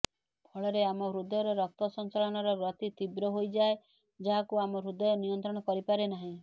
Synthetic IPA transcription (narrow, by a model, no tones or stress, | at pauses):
pʰɔɭɔɾeamɔɾud̪ɔjɔɾɔɾɔk̚t̪ɔsɔnt͡ʃaɭɔɽ̃ɔɾɔɾɔt̪it̪ibɾɔɦojd͡ʒae | d͡ʒaɦakuamɔɾud̪ɔjɔnijɔnt̪ɾɔɽ̃ɔkɔɾipaɾenaɦĩ